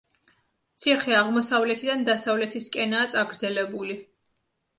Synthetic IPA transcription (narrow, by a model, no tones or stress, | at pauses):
t̪sʰiχiaʁmɔsavlɛt̪ʰid̪and̪asavlɛt̪ʰiskʼɛnaːt̪sʼaɡɾd̪zɛlɛbuli